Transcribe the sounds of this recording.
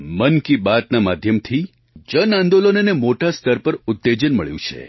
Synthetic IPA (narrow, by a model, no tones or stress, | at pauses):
mənkibat̪namad̪ʱjəmt̪ʰi | d͡ʒənãnd̪olonenemoʈast̪ʰəɾpəɾʊt̪ːed͡ʒənməɭjṵ̃t͡ʃʰḛ